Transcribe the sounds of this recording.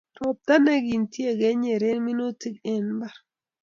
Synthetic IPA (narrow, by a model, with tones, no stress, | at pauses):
ɾɔ˨p̚d̪a˦nɛ˦ɡi˨ntje˦˨ɡɛ˦ɲe˨ɾe˦nmi˦no˦ti˦ke˨nba˨ɾ